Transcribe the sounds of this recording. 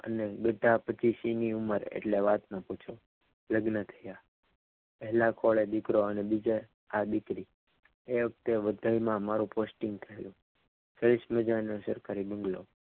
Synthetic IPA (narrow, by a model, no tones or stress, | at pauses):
ə̰neɡəʈ̪ːapət͡ʃisiniuməɾḛʈleʋat̪nəput͡ʃʰo | ləɡnət̪ʰəja | pəɦlakʰoɭed̪ɪkɾoənebid͡ʒe | ad̪ikɾi | eʋək̚t̪eʋəd̪ʱajmãmaɾũposʈĩŋɡ̚t̪ʰəɦjũ | səɾiʃməd͡ʒanesəɾkaɾibəŋɡlo̰